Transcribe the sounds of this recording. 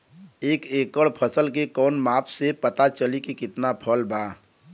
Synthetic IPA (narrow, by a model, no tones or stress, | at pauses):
eːkeːkəɭpʰəsəlk̬ekɔːnmaːpʰsepɐt̪at͡ʃəlikikɪt̪napʰəlbʱaː